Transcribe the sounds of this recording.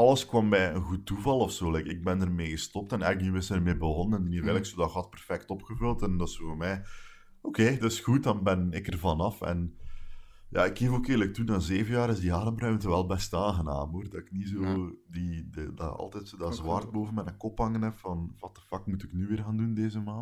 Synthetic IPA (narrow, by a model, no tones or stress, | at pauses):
ɑlˠəskwɑmːɛənɣutːuvɑlˠɔfsoːlɛjkɪɡ̚bɛndərmeːɣəstɔp̚tɛnɛknyɪsərmeːbəɣɔnənɛndunevɪləksodɑxɑt̚pɛrfɛktɔpxəvɵlˠtɛndɑsoːmɛː | okeːdɑɪsxut̚dɑnbɛnɪkərvɑnɑfɛ̰n | ja̰ːɪkeːvoːkeːrlək̚tunaːzeːvənjaːɾɪzdiaːdəmrœɥmtəʋɛlˠbɛstaːɣənaːmoːrdɑɪknizoːdidda̰ɑ̰lˠtɛtsoːdɑzwaːrt̚boːvənmɛnɛkɔphɑŋənɛfɑnwɑtə̥fɑkmutɪknyʋɪːrɣaːndundeːzəmaːnt